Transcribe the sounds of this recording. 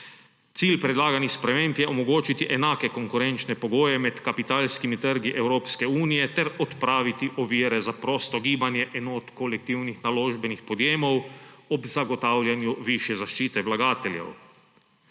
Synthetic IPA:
t̪siːlpɾɛd̪laːɡanixspɾɛmeːmpjɛɔmɔɡoːt͡ʃit̪iʔɛnaːkɛkoŋkuɾɛnt͡ʃnɛpɔɡoːjɛmɛt̪kapit̪aːlskimit̪əɾɡiʔɛwɾoːpskɛuːnijɛt̪ɛɾɔt̪pɾaːʋit̪iʔɔʋiːɾɛzapɾoːst̪ɔɡiːbanjɛʔɛnɔt̪kolɛk̚t̪iwnixnaloːʒbɛnixpɔd̪jeːmɔwɔbzaɡɔt̪aːwlʲjanjuʋiʃjɛzaʃt͡ʃiːt̪ɛwlaɡaːt̪ɛljɛ̰w

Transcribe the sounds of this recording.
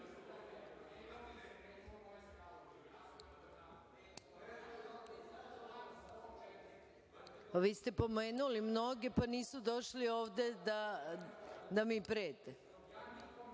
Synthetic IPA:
aʋiːst̪e̞po̞meːnulimno̞ɡepaniːsud̪o̞ʃlioːʋd̪e̞d̪a | d̪amiːpɾeːt̪e

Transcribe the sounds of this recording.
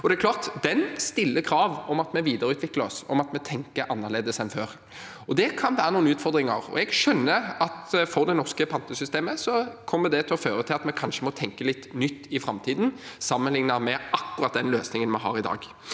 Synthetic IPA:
ɔd̪ɛɛkʰlɑːʁt̪d̪ɛnst̪ɪlːəkʰɾɑːʋɔmɑt̪mɛʋiːd̪əɾəʉːt̪ʋɪkləɔsɔ̰mɑt̪mɛt̪ʰɛŋkəɾʔɑnːəʁleːd̪əsɛnføːɾ | ɔd̪ɛkʰɑnʋæːɾənuːənʉːt̪fɔʁd̪ɾɪŋə̰ɾɔ̰ɛɡʃœnːəɑt̪fɔɾd̪ɛnɔʁskəpʰɑnt̪əsʏst̪eːməsɔkʰɔmːəd̪ɛt̪ʰɪlɔføːɾət̪ʰɪlɑt̪mɛkʰɑnʂəmɔt̪ʰɛŋkəlɪt̪ːnʏt̪ːɪfɾɑmt̪ʰiːd̪n̩sɑmːənlɪŋnəʁmɛɑkːʉɾɑt̪̚d̪ɛnløːsnɪŋənmɛɦɑ̰ːɾɪd̪ɑ̰ːɡ

